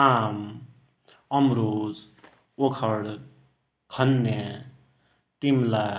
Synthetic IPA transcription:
am | ʌmɾod͡z | okʰʌɽ | kʰʌnːe | t̪imla

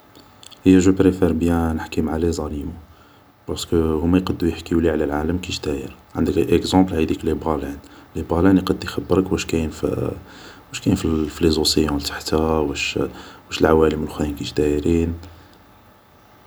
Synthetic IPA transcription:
həjːæʒəpɾefɛɾbjænəħkimaʕalizˤɑlimu | bɑɾˤskəhʊmːæjqɑd̪ːujəħkəuliʕlælʕaləmkiʃd̪æjəɾʕənd̪əkʔekzɑ̃blhæd̪iklibɣɑlænlibʁɑlænjqɑd̪ːixæbːəɾəkwæʃkænf | wæʃkæjnfiflezusəjɑ̃lt̪ḁħt̪æwæʃwæʃəlʕawæləməlxænkiʃd̪æjɾin

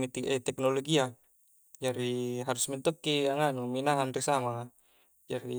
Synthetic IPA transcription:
it̪iɛt̪ɛknoloɡia | d͡ʒaɾiɦaɾusmint̪okːiaŋanuminaɦanrisamaŋa | d͡ʒaɾi

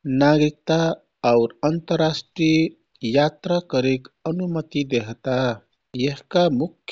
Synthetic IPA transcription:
naɡɾik̚t̪aː | ʊɾənt̪əɾasʈɾi | jat̪ɾakəɾekənumət̪id̪eɦt̪a | jeɦkamukʰː

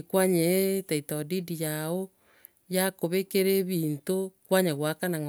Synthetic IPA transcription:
kwaɲetaitɔdidijao | jakoβekeɾeβiːntokwaɲaɣwakanaŋ

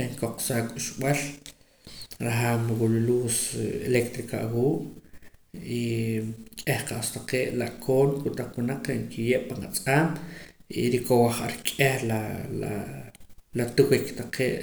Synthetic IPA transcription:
eŋkoq͡χsaːkʼuʃɓal | ɾaɦaːmwululuːselekt̪ɾika̰ʔwuːʔ | i | kʼehqaʔst̪aqeːʔlaʔkʰoːnkut̪aq͡χwunaq͡χŋkʰijeʔpanat͡sʼaːmḭɾikowaχaɾkʼehlala | lat̪uwikt̪aqʰeːʔ

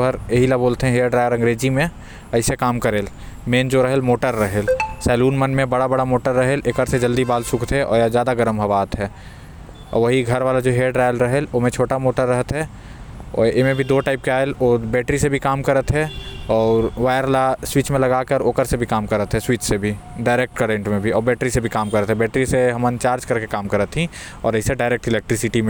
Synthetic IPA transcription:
əɾjeɦilaboːlt̪eɦɛ̃ɦeːɖɾaːjəɾɐ̃ŋɡɾeːd͡ʒimẽ | ɐɪsekaːmkəɾeːl | meːnd͡ʒoɾɐɦelmoːʈəɾːəɦeːlsɛːluːnmənmẽbɐɽabɐɽamoːʈəɾːəɦelʔeːkəɾsed͡ʒəld̪ibaːlsʊkʰt̪ɦɛʔɔ̰ːjazjaːd̪aɡəɾəmɦəɐʋaːt̪ɦɛː | ɔ̰ːɾʋəɦiɡʱɐɾʋaːlad͡ʒoɦeːɖɾaːjəlɾəɦeloːmẽt͡ʃʰoːʈamoːʈəɾːəɦət̪ɦɛ | ɔ̰ːemẽbʱid̪oːʈaːɪp̚keaːelobɛːʈɾisebʱikaːmkəɾət̪ɦɛɔːɾʋaːjəɾlaswiːt͡ʃmẽlɐɡaːkəɾoːkəɾsebʱikaːmkəɾət̪ɦɛswiːt͡ʃsebʱi | ɖaːɪɾek̚ʈkəɾẽɳʈmẽbʱiɔːɾbɛːʈɾisebʱikaːmkəɾət̪ɦɛbɛːʈɾiseɦɐmənt͡ʃaːɾd͡ʒkɐɾkekaːmkəɾət̪ɦĩ | ɔ̰ːɾəɪseɖaːɪɾek̚ʈɪleːk̚ʈɾɪsɪʈimẽ

